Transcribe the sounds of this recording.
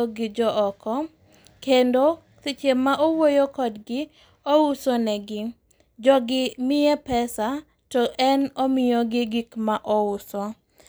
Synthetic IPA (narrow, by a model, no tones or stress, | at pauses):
oɡɪd͡ʒɔʔɔkɔ | kendo | sit͡ʃemːaʔowojokɔdɡɪ | ousonɛɡɪ | d͡ʒɔɡɪmɪɛpɛsa | tɔʔɛnomɪjoɡɪɡikmaʔɔʊsɔ